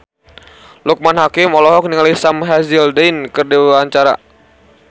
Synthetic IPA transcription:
luk̚manhakɪmɔlɔɦɔk̚niŋalisamɦazildɛjnkɨrdiwaɲt͡ʃaɾa̰

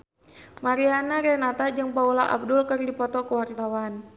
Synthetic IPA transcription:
maɾianaɾɛnat̪ad͡ʒɨŋpaulaʔa̰b̚dʊlkɨrdipɔt̪ɔkəwart̪awan

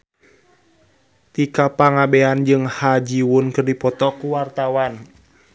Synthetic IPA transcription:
t̪ikapaŋabɛand͡ʒɨŋhad͡ʒiwunkɨrdipɔt̪ɔkuwart̪awan

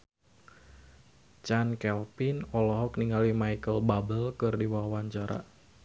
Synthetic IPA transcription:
t͡ʃankɛlpinɔlɔɦɔk̚niŋalimajkəlbabəlkɨrdiwawaɲt͡ʃaɾa̰ʔ

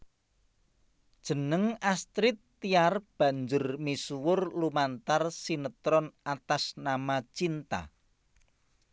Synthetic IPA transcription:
d̥ʒ̥ə̤nəŋast̪ɾɪt̪ːiarb̥ä̤ɲd͡ʒʊrmisuwʊrlumant̪arsinət̪ɾɔnat̪asnamat͡ʃint̪a̰

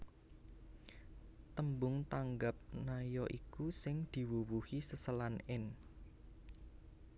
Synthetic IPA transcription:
t̪əmbʊŋt̪aŋɡap̚najɔʔikusɪŋd̪̥i̤wuwuhisəsəlanɪn

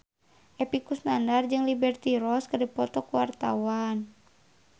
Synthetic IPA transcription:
ʔɛpikusnandard͡ʒɨŋlibɛrt̪iɾɔskɨrdipɔt̪ɔkuwart̪a̰wan

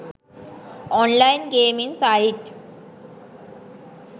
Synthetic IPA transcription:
ɔnlajinɡemiŋsaɦiʈ

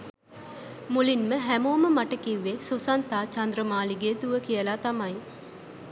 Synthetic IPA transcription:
mulinməɦæmoːməmaʈəkiʋːesusant̪aːt͡ʃand̪ɾəmaːliɡeːt̪uʋəkijəlat̪amaj

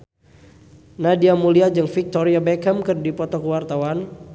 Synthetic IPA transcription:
nadiamuliad͡ʒɨŋfik̚t̪ɔɾiabɛkəmkərdipɔt̪ɔkəwart̪awan

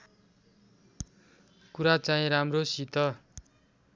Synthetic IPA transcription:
kuɾat͡saĩɾamrosit̪ʌ

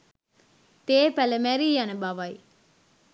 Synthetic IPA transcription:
t̪eːpæləmæɾiːjanəbaʋɐj

